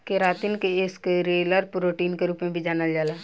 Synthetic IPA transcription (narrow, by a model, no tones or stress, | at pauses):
keɾaːt̪inkeɪskɾeːləɾpɾoːʈiːnkeɾuːpmẽbʱid͡ʒaːnəld͡ʒaːlaː